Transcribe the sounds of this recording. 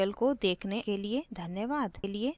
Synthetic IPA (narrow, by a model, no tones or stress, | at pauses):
əlkod̪eːkʰnekelied̪ʱɐnjəʋaːd̪lie